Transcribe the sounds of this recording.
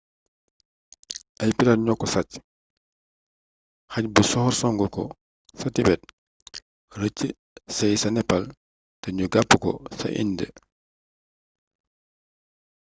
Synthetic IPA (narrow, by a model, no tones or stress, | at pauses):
ʔajpiɾaɲɔkːɔsac | hac̚busɔhɔɾsɔŋɡɔkɔ̰ | satibɛt̚ | rəcːi | sajsanɛpal | tɐɲuɡapːəkɔ̰sa̰ʔḭndɛ̰